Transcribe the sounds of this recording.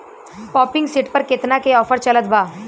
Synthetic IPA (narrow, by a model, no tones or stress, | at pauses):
pɔːpɪ̃ŋɡsɪʈpɐɾkɪt̪nakeɔːfəɾt͡ʃɐlət̪bʱaː